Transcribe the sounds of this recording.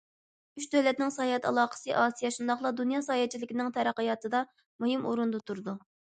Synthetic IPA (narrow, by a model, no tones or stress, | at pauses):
yʃd̪øwlɛt̪̚nɪŋsɑːjɛt̪ɑ̰lˠɑːqə̥sɨʔɑːsijɛʃund̪ɑχlˠɑd̪unjɑːsɑːjɛt͡ʃʰilɪkʲinɪŋt̪ʰɛɾæqəjɑːt̪ɨd̪ɑ | muɦɨmuɾund̪ɨt̪ʰuɾɨd̪u